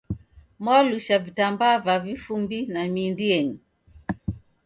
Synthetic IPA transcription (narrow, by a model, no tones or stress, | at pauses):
mwaluʃavitambavavifumbinamindiɛɲi